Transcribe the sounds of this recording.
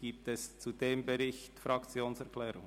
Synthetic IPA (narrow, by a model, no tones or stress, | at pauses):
ɡ̥iːp̚tɛst͡sud̥eːmbɛʁɪçtfɾɑkt͡sjoːnsɛʁklɛːɾʊŋ